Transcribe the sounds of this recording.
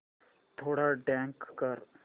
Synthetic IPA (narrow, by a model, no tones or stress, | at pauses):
t̪ʰoːɽaɖɛ̃ːŋkːəɾ